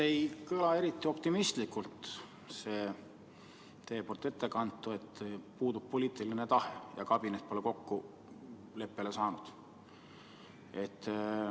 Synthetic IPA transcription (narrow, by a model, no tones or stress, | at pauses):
ejkɤlɑe̞ɾit̪ːˑio̞p̚t̪imist̪likult̪ | se̞ː | t̪e̞ːport̪ːˑe̞t̪ːˑe̞kɑnt̪ːˑue̞t̪ːpuːd̪ub̥̚po̞lʲiːt̪ːˑilinet̪ɑhejɑkɑb̥inet̪̚ːpoleko̞kːu | le̞pːe̞le̞sɑːnud̪̥ | e̞t̪ː